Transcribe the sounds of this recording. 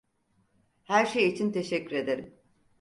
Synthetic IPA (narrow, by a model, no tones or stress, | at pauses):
hæɾʃejit͡ʃʰint̪ʰe̞ʃɛcːyɾe̞d̪e̞ɾim